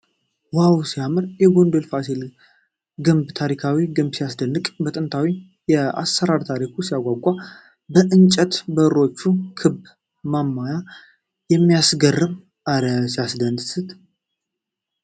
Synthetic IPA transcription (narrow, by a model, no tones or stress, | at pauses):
wawsijamɨɾjɛɡond̪olfasil | ɡɨmbt̪ʰaɾikʰawiɡɨmbsijasd̪ənːɨkʼbət̪ʼɨnt̪ʰawi | jɛa̰sːəɾaɾt̪ʰaɾikʰusijaɡʷaɡʷʼa | bəʔɨnt͡ʃʼɛt̪bəɾo̞t͡ʃːukʰɨb | mamːaja | jɛmːijasɡərːɨm | ʔaləsijasd̪ənsɨt̪